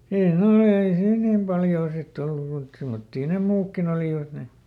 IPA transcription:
ei ne olːeː ei siːn nim pɑljoː sitː olːu muit semːotːiː ne muːkːin oliˑʋɑt ne

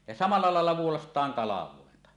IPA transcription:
jɑ sɑmɑlːɑ lɑˑelːɑ ʋuolɑstˑɑːŋ kɑlɑʋˑoˑentɑ

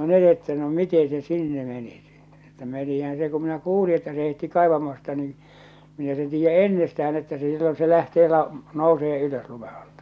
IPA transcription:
no ne etːæ no mite se sinːe meni si etːæ no menihæn se ku minæ kuːli etːæ se heitːi kɑˑe̝ʋɑmɑstɑ ni minæ sen tiːjːæ enːestææn etːæ se silːon se læhteː lɑ nouseː yløs lume ɑ̥l̥tɑ̥

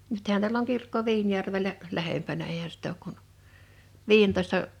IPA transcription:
nythæn tiæl oŋ kirkːo ʋiːnjærʋelæ læhempænæ eihæ sit oːk kun ʋiːentoistɑ

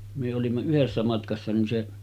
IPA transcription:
myø olimːɑ yhesːæ mɑtkɑsːɑ nin se

